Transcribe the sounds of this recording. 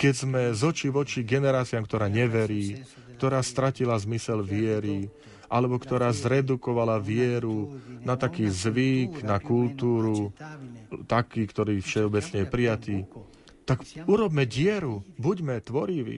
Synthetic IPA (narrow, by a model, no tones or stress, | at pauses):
kɛɟzmɛzɔt͡ʃiʋɔt͡ʃiɡɛnɛɾaːt͡siamkt̪ɔɾaːɲɛʋɛɾiː | kt̪ɔɾaːst̪ɾacilazmisɛlʋɪɛɾi | ʔalɛbɔkt̪ɔɾaːzɾɛd̪ukɔʋalaʋɪɛɾunat̪akiːzʋiɡnakult̪uːɾu | t̪akiːkt̪ɔɾiːfʃɛɔbɛt͡sɲɛjɛpɾijat̪iː | t̪aɡuɾɔbmɛɟɪɛɾubuɟmɛt̪ʋɔɾiʋḭ